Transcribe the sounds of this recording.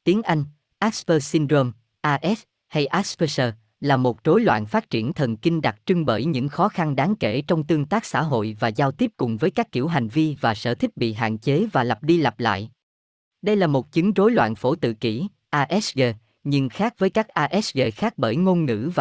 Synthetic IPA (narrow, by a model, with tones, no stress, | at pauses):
t̪i˨˦əŋʔa˧jŋ̟ | ʔa˦˥spəː˧si˧ndɾo˧m | ʔaː˧ʔɛ˦˥s | ha˧jʔa˦˥spə˧səː˧ | laː˨˩mo˨˩t̚zo˨˦jlwa̰ː˧˨nfaː˦˥t̚t͡ɕi˧˩ənt̪ʰə˨˩nki˧ŋ̟ɗa˨˩t̚t͡ɕɨ˧ŋɓə̰ː˧˩jɲɨ̰˧˥ŋxɔ˨˦xa˧nɗaː˨˦ŋke˧˩t͡ɕɔ˧wŋ͡mt̪ɨ˧əŋt̪aː˦˥k̚sa̰ː˧˥ɦo̰˧˨jvaː˨˩zaː˧wt̪i˦˥əp̚kʊ˨˩ŋ͡mvəː˨˦jkaː˦˥kːi˧˩əwɦa˨˩jŋ̟vi˧vaː˨˩sə̰ː˧˩t̪ʰi˦˥k̚ɓḭ˧˨ɦa̰ː˧˨nt͡ɕe˨˦vaː˨˩lə˨˩p̚ɗi˧la˨˩p̚la̰ː˧˨jʔ | ɗə˧jlaː˨˩mo˨˩t̚t͡ɕɨ˨˦ŋzo˨˦jlwa̰ː˧˨nfo˧˩t̪ɨ̰˧˨kḭ˧˩ | ʔaː˧ʔɛ˦˥sɣe˧ | ɲɨ˧ŋxaː˦˥k̚vəː˨˦jkaː˦˥k̚ʔaː˧ʔɛ˦˥sɣe˧xaː˦˥k̚ɓəː˧˩jŋo˧nŋɨ̰˧˥va˨